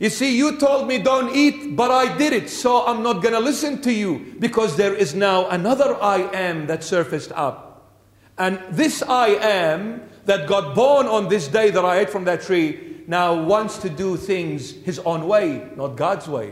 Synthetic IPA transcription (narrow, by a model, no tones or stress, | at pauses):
jɨsijɨtʰoʊlˠd̚midõʊ̃ntit̚bʌɾaɪdɪɾɪtsoʊãɪ̃mnət̚ɡ̥ʌnəlɪsɨ̃ntɨjubɨkʰʌzðə˞ɪznaʊʔənʌðə˞ʔaɪʔɨ̃mðɨtsɜ˞fɨstʌ̰p̚ | ɨ̃nðɪsaɪʔæ̃mðɨt̚ɡ̥ɑt̚b̥ɔɹnə̃nðɪs̬deɪðəɾaɪeɪtfɹʌ̃mðɨtʰɹ̥inaʊwɑ̃ntstʰɨdɨθɪ̃ŋzhɨzõʊ̃nweɪnət̚ɡ̥ɑdzweɪ